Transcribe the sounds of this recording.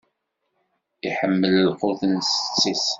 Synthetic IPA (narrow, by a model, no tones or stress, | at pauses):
iħəmːələlqʊðnsət͡sːis